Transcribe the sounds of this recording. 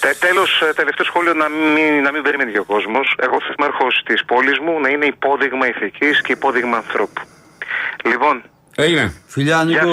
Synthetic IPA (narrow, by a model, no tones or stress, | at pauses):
t̪elo̞st̪e̞left̪e̞o̞sxo̞lio̞nɐminɐmĩmbeɾimeniceo̞ko̞zmo̞se̞̰ɣoθɐ̥simɐɾxost̪ispo̞lizmunɐine̞ipo̞ðiɣmɐiθicisce̞ipo̞ðiɣmɐːnθɾo̞pu̥ | lipo̞n | ejɾefiʎɐni